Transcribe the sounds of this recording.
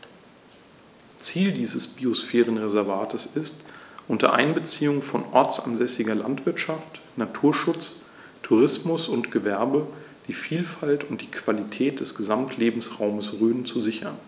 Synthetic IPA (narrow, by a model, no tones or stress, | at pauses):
t͡siːldiːzəsb̥iosfɛːʁ̞ənʁezɛɐvaːtʰəsɪstʔʊntɐ̰ʔa̰ɪnbət͡siːʊŋfɔnʔɔɐt͡sʔa̰nzɛsɪɡɐla̰ntv̥ɪɐtʃaftnatʰuːɐʃʊt͡s | tʰuʁɪsmʊsʊntɡ̥əvɛɐbə | d̥iːfiːlfaltʊnt̚d̥iːkv̥alitʰɛːt̚d̥ɛsɡ̥əzamtʰleːbm̩sʁaʊməsʁøːnt͡suzɪçɐn